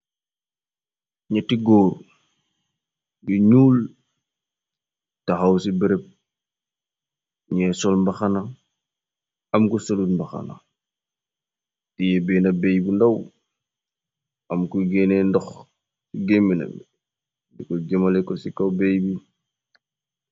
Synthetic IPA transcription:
ɲatiɡoːɾ | diɲuːl | taxawsibiɾep̚ | ɲɛsɔlmbaxana | ɐmkusaludmbaxa̰na̰ | ijebeːnɐbejbindaw | ɐmkuɡenendɔx | iɡemina̰mi | dikoɡemalekosikawbejbi

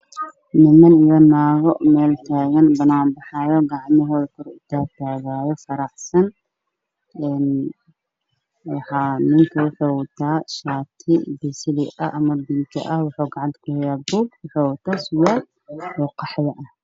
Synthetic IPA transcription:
nɪmɐnɪjɔnaːɣɔʔmɛːlt̪ʰaːɣɐnbɐnaːmbɑħɑjɔɡɑʕmɪɦɔːðɐkʰʊɾɪt̪ʰaːt̪ʰaːɣaːjɔfɐɾɑħsɐn | ʔɛn | wɑħɑːmɪŋk̪ʰɐwʊħoːwɐt̪ʰaːʃaːt̪ʰɪbɪsɪlɪʔɐʔɐmɐbɪnt̪ʰɐʔɐhwʊħuːɡɑʕɑnt̪kʰʊhɛjaːbuːɡwʊħoːwɐt̪ʰaːsʊwaːd̪ | ɔːqɑħðɐʔɐh

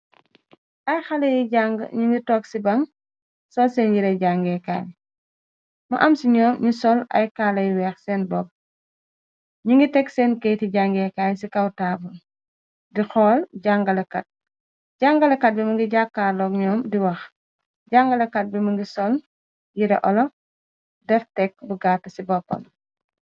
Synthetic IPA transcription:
ʔɐjxalɐjiɟaŋɡə̰ɲuŋɡitɔːksibɐŋ | sɔlsɛnjiɾɛjɟaŋɡɛka̰ːl | mɐ̰ʔɐmsiɲɔːmɲusɔlɐ̰jkalɐjwɛːxsɛːnbɔb̚ | ɲuŋɡitɛksɛːnkejtiɟaŋɡɛkaːlsikɐwtaːbun | dixɔːlɟaŋɡɐlɐkɐt̚ | ɟaŋɡɐlɐkɐt̚bɛmɐŋɡiɟakːaːɾlɔːkɲɔːmdiwɐx | ɟaŋɡɐlɐkɐt̚bɛmɐŋɡisɔl | jiɾɛ̰ʔɔlɔ | dɛftɛk̚buɡaːtːɐsibɔpːɔ̰l

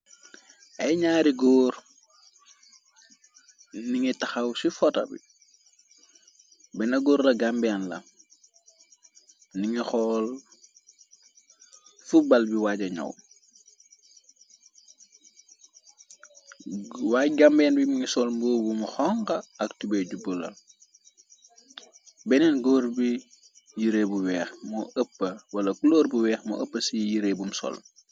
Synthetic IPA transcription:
ʔɐjɲaːɾiɡɔːr | niŋitɐxɐwsifɔtɐ̰bḭ | bɛnɐɡoːɾlɐɡambɛːnlɐ̰ | niŋixɔːl | fubɐlbiwaːɟɐɲɔ̰w | waːjɡambɛːnbimiŋisɔlmbɔːbumxɔŋqɐɐktubɛɟubulɐ̰l | bɛnɛnɡoːɾbi | jiɾeːbuwɛːxmɔəpːɐwɐlɐkulɔːɾbuwɛːxmɔ̰ʔəpːɐsijiɾebumsɔ̰l

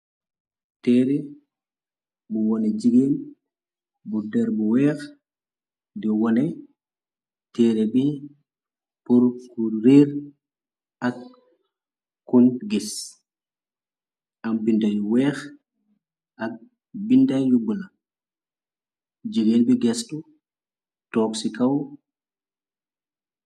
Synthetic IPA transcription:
tɛːɾɛ | buwɔnɛd͡ʒiɡeːl | budɛːɾbuwɛːx | dɔwɔnɛ | tɛːɾɛbi | puɾkuɾeːɾ | ak̚ | kːunɡis | ʔambindajuwɛːx | ʔak̚ | bindajjuɡula | d͡ʒiɡenbiɡɛstu | tɔːksikaw

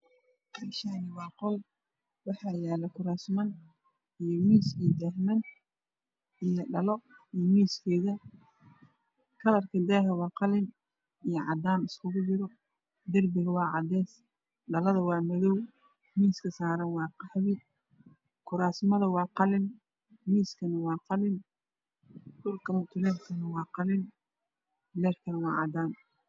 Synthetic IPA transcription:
qɛlʃanɪwɑːqɔl | wɑħɑːjɛːlɐkʰʊɾaːsmɐn | ijɔmiːsiːd̪aːɦmɐn | ijɔɖɐlɔ | ijmiːskʰɛːɣɐ | kʰɐlɐrkʰɐd̪aːɦɐwɑːqɑlɪn | ijɐʕɑ̰d̪aːnɪskʰʊɣʊd͡ʒɪɾɔ | d̪ɪrbɪɣɐwɑːʕɑd̪ɛːs | ɖɐlɐðɐwɑːmɐðɔw | miːskʰɐsaːɾɐnwɑːqɑħβɪ | kʰʊɾaːsmɐðɐwɑːqɑlɪn | miːskʰɐnɐwɑːqɑlɪn | ɖʊlkʰɐlɐt̪ʰʊlɛːd̪kʰɐnɐwɑːqɑlɪn | lɛːrkʰɐnɐwɑːʕɑ̰d̪aːn

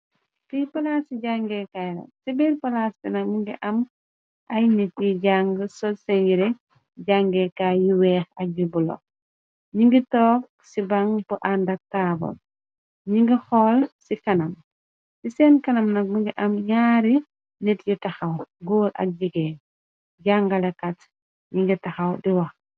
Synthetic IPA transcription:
pipɐlasiɟaŋɡɛkajɾɐ̰sibiɾpɐlastinɐk̚miŋɡiʔɐm | ʔɐjnɛtjiɟaŋɡəsɔsɛnjiɾɛ | ɟaŋɡɛkajiwɛːxɐk̚ɟubulɔ̰k̚ | ɲiŋɡitɔːk̚ | sibaŋbuʔandɐk̚taːbɔ̰l | ɲiŋɡixɔːlsikɐnam | sisɛnkɐnɐmnɐk̚miŋɡiʔamɲaːɾi | nɛtjitaxawɡɔːɾa̰k̚ɟiɡɛː | ɟaŋɡalɛkat | ɲiŋɡitaxawdiwɐx

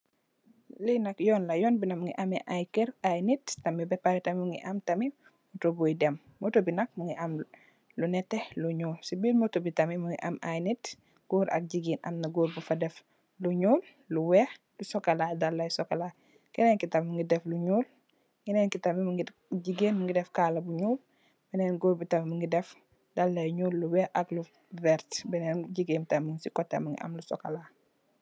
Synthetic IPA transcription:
linakjɔːnlajɔːnbinamuŋḭʔamɛʔajkɛɾajnittamibɛpaɾitamimuŋɡḭʔamtami | mutobujdɛmːotobinak̚muŋiʔam | lunɛtɛluɲuːlsibiːlmotobitamimuŋḭʔa̰ma̰jnit | ɡ̥uːɾa̰k̚ɟiɡina̰mnaɡuːɾbufadɛf | luɲuːlːuwɛh | lusɔkɐladalːɐjsɔkala | kinɛnkitɐmmuŋɡidɛfluɲuːl | ŋɡinɛnkitɐmimuɡi | ɟiɡeːnmuŋɡidɛfkaːlɐbuɲuːl | bɛnɛːnɡoːɾbitɐmimuŋɡidɛf | dalːɐjɲuːlːuwɛʔɐklu | vɛɾtbɛnɛnɟiɡentɐmuŋsikɔtːemuŋɡḭʔɐ̰mlusɔ̰kala

